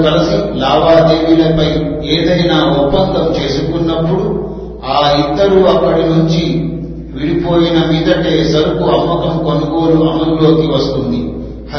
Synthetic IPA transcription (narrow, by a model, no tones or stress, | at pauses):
kɐlɐsilaːʋaːd̪eːʋilɐpɐj | eːd̪ɐjnaːupːɐŋɡɐmt͡ʃe̞ːsukunːɐpːuɽu | aːid̪ːɐɾuɐkːɐɽinuɲt͡ʃi | ʋiɽipo̞ːjinɐmiːd̪ɐʈe̞ːsɐɾukuɐmːɐkɐmkonɐɡo̞ːluʔɐmɐlulo̞ːkiʋɐst̪und̪i | hɐ